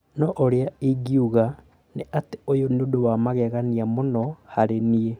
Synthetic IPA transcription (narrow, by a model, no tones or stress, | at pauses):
nɔʔoɾeaiɡiuɣa | neateojonodowamaɣɛɣaniamonɔhaɾenie